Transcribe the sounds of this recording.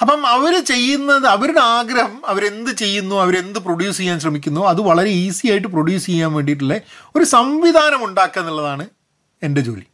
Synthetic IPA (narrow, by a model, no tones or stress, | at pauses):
ɐpːɐmɐʋɐɾɨt͡ɕe̞jːunːɐðɨɐʋɐɾunaːɡɾɐhɐmɐʋɐɾe̞nd̪ɨt͡ɕe̞jːunːuɐʋɐɾe̞nd̪ɨproɽjuːsiejaːnɕ̬rɐmikʲːunːuɐðɨʋɐɭɐɾe̞iːsijaːjiʈːɨproɽjuːst͡ɕejːaːnʋe̞ːɳɖiʈ̬ːiɭːeo̞ɾusɐmʋiðʱaːnɐmuɳɖaːkːenːiɭːɐðaːɳɨ | e̞nde̞t͡ɕoːli